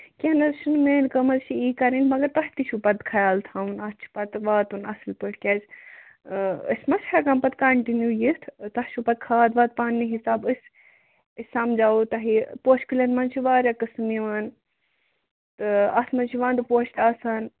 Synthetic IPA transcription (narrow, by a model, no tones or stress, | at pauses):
kʲenɐzʃʰunmeːnkəmɐzt͡ʃʰiiːkɐɾinʲmɐɡɐɾt̪ɐɦt̪iʃupɐt̪kʰɐjaːlt̪ʰaunɐst͡ʃʰi̥pɐt̪ʋaːt̪unɐsɨlpɨʈʰkʲeːz | ə̰sʲmɐshɐkɐmpɐt̪kɐɳʈinjujit̪ʰt̪ɐhʃupɐt̪̚kʰaːd̪ʋɐt̪̚paːnːiɦisaːbɨsʲ | əsʲamd͡ʒaːut̪ɐɦipoːʃʰkɨlʲɐnmɐnt͡ʃʰiʋaːɾʲɐkɨsɨmiʋaːn | t̪ɨɐsmɐzt͡ʃʰiʋaːnt̪ɨpoːʃt̪ʲaːsaːn